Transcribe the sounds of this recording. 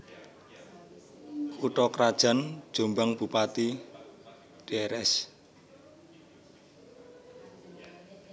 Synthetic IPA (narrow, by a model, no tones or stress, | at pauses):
uʈɔkɾad̥ʒ̥a̤nd̥ʒ̥ombaŋb̥ṳpat̪i | ɖ̥eɾɛs